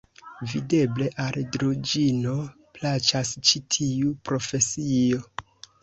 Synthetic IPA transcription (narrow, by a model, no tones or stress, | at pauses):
vide̞ble̞ʔaldɾod͡ʒino̞plat͡ʃast͡ʃitʰiupɾo̞fe̞sio̞